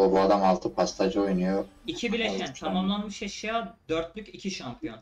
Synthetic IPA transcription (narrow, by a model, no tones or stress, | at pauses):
obuad̪amalˠt̪ʰɯpʰast̪ʰad͡ʒojnujoicʰibilʲeʃcʲænt̪ʰamamlˠanmɯʃjeʃijad̪øɾt̪lʲycʲicʰiʃampʰijo̞n